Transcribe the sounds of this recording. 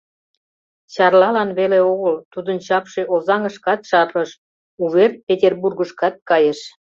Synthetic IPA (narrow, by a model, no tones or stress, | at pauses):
t͡ɕɑrlɑlɑnβeleoɣəlt̪ud̪ənt͡ɕɑpʃeʔozɑŋəʃkɑt̪ʃɑpəʃ | uβerpʲet̪ʲerburɣəʃkɑt̪̚kɑjeʃ